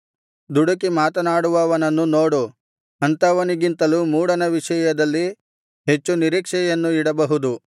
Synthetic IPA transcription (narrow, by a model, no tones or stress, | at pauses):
d̪uɽɐkimaːt̪ɐnaːɽuʋɐːʋɐnɐnːunoːɽu | ɐnt̪ɐʋɐniɡint̪ɐlumuːɽɐnɐʋiʂɐjɐd̪ɐlːi | ɦe̞t͡ʃːuniɾiːkʂɛjɐnːuiɽɐbɐɦud̪u